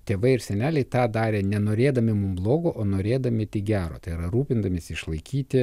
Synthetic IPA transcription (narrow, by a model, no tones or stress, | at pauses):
t̪ʲeːʋɐɪɪɾsʲɛnʲæːlʲɛɪt̪ɑːd̪ɑːɾʲeːnʲɛnoːɾʲeːd̪ɐmʲɪmʊmblˠoːɡoːʔoːnoːɾʲeːd̪ɐmʲɪt̪ʲɪkɡʲæːɾo̰ːt̪ɐɪɪɾɐɾuːpʲɪnd̪ɐmʲesʲɪʃlˠɐɪkʲiːt̪ʲɪ